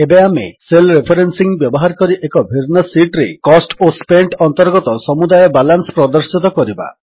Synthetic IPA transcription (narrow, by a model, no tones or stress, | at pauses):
ebeamḛselɾepʰɔɾensiŋbjɔbɔɦaɾkɔɾiʔekɔbʱiɾnɔsiʈɾekɔsʈospeɳʈɔnt̪ɔɾɡɔt̪ɔsɔmud̪ajɔbalansɔ̥pɾɔd̪ɔɾsit̪ɔkɔɾiba̰